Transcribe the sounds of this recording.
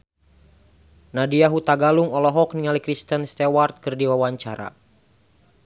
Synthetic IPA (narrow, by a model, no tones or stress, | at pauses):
nadiaɦut̪aɡaluŋɔlɔɦɔk̚niŋalikɾist̪ənst̪ɛwart̪̚kɨrdiwawaɲt͡ʃaɾa̰